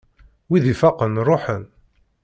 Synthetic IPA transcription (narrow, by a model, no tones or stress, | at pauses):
wiðifɑqənrˤoħən